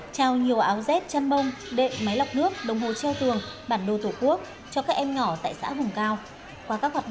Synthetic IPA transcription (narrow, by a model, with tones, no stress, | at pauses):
t͡ɕaː˧wɲi˨˩əwʔaː˨˦wzɛ˦˥t̚t͡ɕa˧nɓə˧wŋ͡mɗḛ˧˨nma˨˦jla˨˩wk͡p̚nɨ˦˥ək̚ɗə˨˩wŋ͡mɦo˨˩t͡ɕɛ˧wt̪ɨ˨˩əŋɓaː˧˩nɗo˧˩t̪o˧˩ku˦˥ək̚ | t͡ɕɔ˧kaː˦˥k̚ʔɛ˧mɲɔ˧˩t̪a̰ː˧˨jsa̰ː˧˥vʊ˨˩ŋ͡mkaː˧w | kwaː˧kaː˦˥k̚hwaː˨˩ɗ